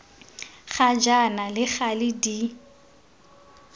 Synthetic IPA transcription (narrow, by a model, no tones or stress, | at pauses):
χad͡ʒanalɪχalɪdi